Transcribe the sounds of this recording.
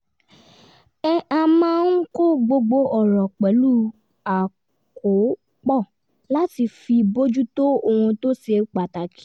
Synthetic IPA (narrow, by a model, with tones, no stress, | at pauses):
ɛ˧a˧mã˦n̩˦ko˦ɡ͡bo˧ɡ͡bo˧ʔɔ˨ɾɔ˨k͡pɛ˨˦lu˦˨ | a˨ | ko˨˦ | k͡pɔ˦˨ | la˦ti˧fi˧bo˦d͡ʒu˦to˦o˧hũ˧to˦se˧k͡pa˨ta˨ki̥˦